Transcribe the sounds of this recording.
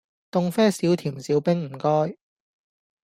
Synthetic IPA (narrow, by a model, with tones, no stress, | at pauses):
t̪ʊ˨ŋfɛː˥siː˨˥wt̪ʰiː˨˩msiː˨˥wpɪ˥ŋm̩˨˩kɔː˥j